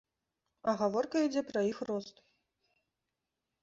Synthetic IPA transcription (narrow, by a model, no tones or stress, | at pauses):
ɐɣavɔrkɐid͡zʲɛpɾɐixrɔst̪